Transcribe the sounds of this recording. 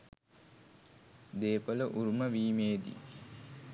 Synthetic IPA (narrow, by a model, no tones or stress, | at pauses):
d̪eːpələʔuɾuməʋiːmeːd̪ḭ